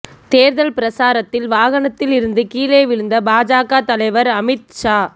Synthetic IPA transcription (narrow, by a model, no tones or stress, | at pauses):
t̪eːɾðɐlpɪɾɐsaːɾɐt̪ːɪlʋaːɣɐɳɐt̪ːɪlɪɾɯnd̪ɯkiːleːʋɪɾɯnd̪ɐbaːd͡ʒaːkaːt̪ɐlɐɪʋɐɾɐmɪt̪̚ʂaː